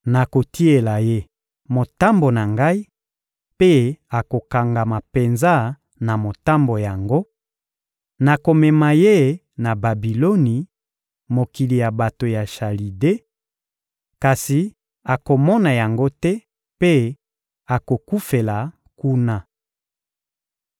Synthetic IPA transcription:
na˨ko˨ti˦e˨la˨je˦ | mo˨ta˦mbo˨na˨ŋɡa˦i˦ | pe˦a˨ko˨ka˨ŋɡa˨ma˨pe˨nza˦ | na˨mo˨ta˦mbo˨ja˨ŋɡo˦ | na˨ko˨mɛ˨ma˨je˦ | na˨ba˨bi˨lo˦ni˨ | mo˨ki˨li˨ja˨ba˨to˨ja˨ʃa˨li˨de˦ | ka˨si˨ | a˨ko˨mɔ˦na˨ja˨ŋɡo˦tɛ˦ | pe˦ | a˨ko˨ku˦fe˨la˨ | ku˦na˦

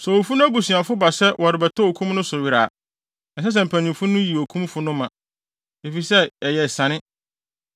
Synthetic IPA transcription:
sɛ˨wo˨fu˦nʊ̃˦æ˦ɡu˨sĩ˨a˨fʊ˦ba˨sɛ˦wʔɔ˨ɾɪ˨bɛ˨tʰɔ˦o˨kʰũ˦mnʊ̃˦sʊ˨ɥi˨ɾa̰˨ | ɛ˨s̬ɛ˦s̬ɛ˨m̩˨pʰæ˨nĩ˨mfʊ˦nʊ̃˦ji˨o˨kʰũ˦mfʊ˦nʊ̃˦mã˨ | e˨fi˨sɛ˦ɛ˨jɛ˨sã˨nɪ̃˦

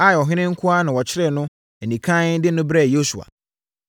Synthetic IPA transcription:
a˦˨ɔ˨ɦɪ̃˦nɪ̃˦ŋ̩˦kʰʊ˦a˦nã˨wɔ˨t͡ɕʰɪ˦ɾɛ˦˨nʊ̃˦ | ɛ˨nĩ˨kʰã˦dɪ˦nʊ̃˦bɾɛ˦˨jo˦su˨a̰˨

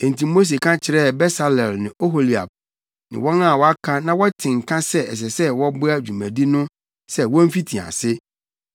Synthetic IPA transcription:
ɛ̃˨n˨ti˨mo˦s̬e˨kʰã˦t͡ɕʰɪ˨ɾɛ˦˨bɛ˦sa˨lɛ˨lnɪ̃˨o˦ɦo˨li˨a̰˨b̚ | nɪ̰̃˨wɔ̃˦na˦˨wɔ˦a˦kʰã˦nã˦wɔ˦tʰɪ̃˨ŋ̩˨kʰã˦sɛ˦ɛ˨s̬ɛ˨sɛ˦wɔ˦bʊ˦a˦˨d͡ʑᶣu˨mæ̃˨di˦nʊ̃˦ | sɛ˦wɔ̃˦m˦fi˦tʰĩ˨a̰˨sɪ˦

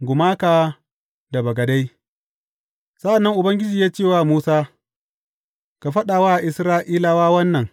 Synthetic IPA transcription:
ɡʷʊ˨maː˦kaː˨ | da˨bɐ˨ɡɐ˨da˦j | sa˦ʔa˨nːɐ˦ŋʔʊ˨bɐ˦ŋɡʲɪ˦d͡ʒiː˨jaː˦t͡ʃeː˦˨waː˦muː˦saː˦ | ka˨ɸɐ˦ɗaː˨waː˦˨ʔɪ˨sɾaː˦ʔiː˦la˦waː˦wɐ˦nːɐ˨ŋ

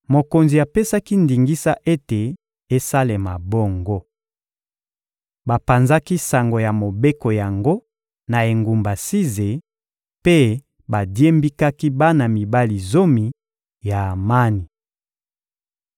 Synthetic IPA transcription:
mo˨ko˨nzi˨a˨pe˦sa˦ki˦ndi˨ŋɡi˦sa˦ʔe˦te˨ | e˦sa˦le˨ma˨bo˦ŋɡo˦ | ba˨pa˨nza˦ki˦sa˨ŋɡo˨ja˨mo˨be˦ko˨ja˨ŋɡo˦ | na˨e˨ŋɡu˨mba˨si˦ze˨ | pe˦ | ba˨dje˦mbi˦ka˦ki˦ba˦na˨mi˨ba˦li˨zo˦mi˨ | ja˨ma˦ni˨

